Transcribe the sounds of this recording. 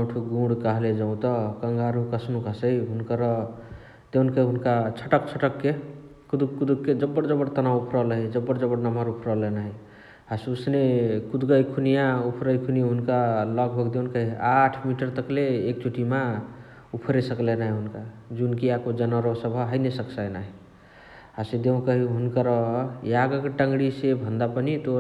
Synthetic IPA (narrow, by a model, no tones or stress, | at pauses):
aʈʰuɡũɽkaɦled͡ʒʌũt̪ʌkəŋɡaɾukəsnukɦəsəjɦunkəɾʌ | d̪̥ewnkəɦunkat͡ʃʰəʈək̚t͡ʃʰəʈəkːe | kud̪ukkːud̪ukːed͡ʒʌbːəɽd͡ʒʌbəɽt̪ənaupʰɾɔləɦid͡ʒʌbːəɽd͡ʒʌbəɽnamaɾupʰɾɔlenaɦi | hasusnekud̪ɡəjkʰunijaupʰɾəjkʰuniɦunkaləɡ̚bʱəɡd̪eunkəɦiaʈʰmiʈəɾt̪əkleːkt͡ʃʰuʈima | upʰɾesəklenaɦiɦunkad͡ʒunkiakod͡ʒənəɾosəbʱɦəjnesəksajnaɦi | ɦased̪eũnkəɦiɦunkəɾɔjaɡəkeʈəŋɡɽisebʱənd̪apənit̪o